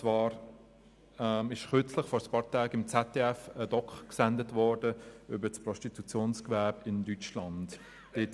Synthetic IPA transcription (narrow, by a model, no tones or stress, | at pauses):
t͡svɑːɾ | ɛmɪʃχʏɐt͡slɪχfɔɾəspɑːɾtʰaːɡɪmt͡sɛtːeːɛfədɔkχksɛndətvɔɾdəʏbəspʁɔstitut͡sjoːnskvɛːbɪndyt͡ʃlɑnd̥ | d̥ɪt